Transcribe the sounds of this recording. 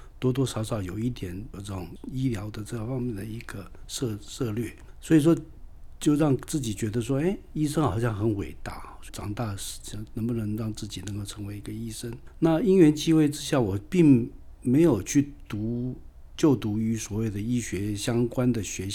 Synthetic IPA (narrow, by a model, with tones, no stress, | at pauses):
t̪wɔ˥t̪wɔ˥ʂɑ˧˥ʊʂɑ˨˩ʊjo˨˩ʊi˥˩t̪jɛ˨˩˦npo˨˩ʈ͡ʂə˥˩ʊ˨˩ŋi˥ljɑ˧˥ʊd̪ə˨ʈ͡ʂɤ˥˩fɑ˥ŋmjɛ˥˩nd̪ə˩i˧˥ɡ̥ə˧ʂɤ˥˧ʂɤ˥˧lɥɛ˥˩swɔ˧˥i˨˩ʂ̬wɔ˥ | t͡ɕjo˥˧ʊɻɑ˥˧ŋt͡sɹ̩˥˩t͡ɕi˨˩t͡ɕɥɛ˧˥d̪ə˧ʂwɔ˥e˥˩ɪi˥˩ʂ̬ə˥ŋxɑ˨˩ʊɕjɑ˥˩ŋxə˧˥nwḛ˨˩ɪt̪a̰˥˩˧ʈ͡ʂɑ̰˨˩ŋt̪a˥˩ʂ̩˨˩t͡ɕnə˧˥ŋbu˧˩nə˧˥ŋɻɑ˥˧ŋt͡sɹ̩˥˩t͡ɕi˨˩nə˧˥ŋko˥˧ʊʈ͡ʂʰɤ˧˥ŋwe˧˥ɪi˧˥ɡə˧i˥ʂə˥ŋna˥˩i˥nɥɛ˧˥nt͡ɕi˥xwe˥˩ɪʈ͡ʂɻ̩˥ɕja˥˩wɔ˨˩pi˥˩ŋ | me˧˥ɪjo˨˩ʊt͡ɕʰy˥˩t̪u˧˥ | t͡ɕjo˥˩ʊt̪u˧˥y˧˥swɔ˨˩we˥˩ɪd̪ə˩i˥ɕɥɛ˧˥ɕjɑ˥ŋkwa˥nd̪ə˨ɕɥɛ˧˥